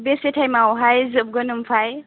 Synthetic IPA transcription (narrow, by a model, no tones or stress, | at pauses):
besetʰajmawɦajzɯp̚ɡɯnɯmfʰaj